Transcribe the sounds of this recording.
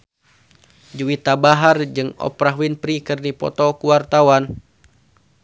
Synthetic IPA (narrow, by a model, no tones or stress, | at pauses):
d͡ʒuwit̪abaɦard͡ʒɨŋɔ̰pɾaɦuinpɾikɨrnipɔ̰t̪ɔkuwart̪awan